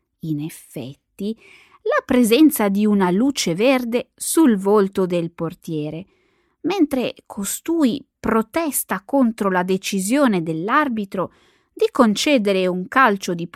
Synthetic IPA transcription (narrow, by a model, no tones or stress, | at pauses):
inefːɛ̰t̪ːi | lapɾezɛnt̪sad̪iunalut͡ʃeverd̪esulvolt̪od̪elport̪jɛːɾe | ment̪ɾekʰost̪uːipɾot̪ɛst̪akont̪ɾolad̪et͡ʃizjoːned̪elːarbit̪ɾo | d̪ikont͡ʃɛːd̪eɾeuŋkalt͡ʃod̪ip